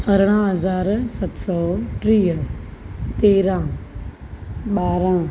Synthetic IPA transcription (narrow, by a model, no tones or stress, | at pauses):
ɐɾɽ̃ãɦɐzaːɾsɐt̪sɔːʈɾiːɦ | t̪eːɾãː | ɓaːɾãː